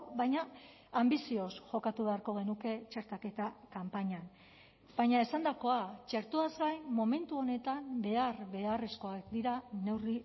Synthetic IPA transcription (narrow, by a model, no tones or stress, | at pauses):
βajɲa | ambisio̞sʝo̞kat̪uβe̞aɾko̞ɣ̞e̞nuke̞t͡ʃe̞ɾt̪ake̞t̪akampaɲan | bajɲae̞sand̪ako̞at͡ʃe̞ɾt̪uazɡajmo̞me̞nt̪uo̞ne̞t̪ambe̞arβe̞are̞sko̞akd̪iɾane̞wri